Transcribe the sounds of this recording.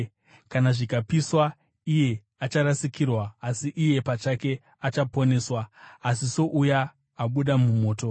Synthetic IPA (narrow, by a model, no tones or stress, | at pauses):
kanaʐikapiswa | ije̞ | at͡ʃaɾasikirwaːsiʔije̞pat͡ʃake̞ | at͡ʃapo̞ne̞ːswaːsiso̞ʔujaː | ɓuɗamumo̞ːto̞